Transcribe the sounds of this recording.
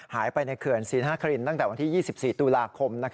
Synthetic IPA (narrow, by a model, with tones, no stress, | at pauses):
haː˩˦jpa˧jna˧jkʰɯ˨˩ənsiː˩˦nɦaː˥˩kʰa˧ɾi˧nt̪a˥˩ŋt̪ɛː˨˩wa˧nt̪ʰiː˥˩jiː˥˩si˨˩p̚siː˨˩t̪u˧laː˧kʰo˧mna˦˥kʰ